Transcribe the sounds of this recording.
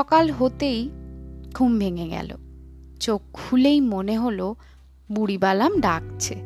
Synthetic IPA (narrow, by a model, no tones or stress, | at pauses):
ɔkalɦot̪ejkʰumbʱeŋeɡɛ̰lo̰ | t͡ɕokʰːulejmoneɦolo | buɽibalamɖak̚t͡ɕʰe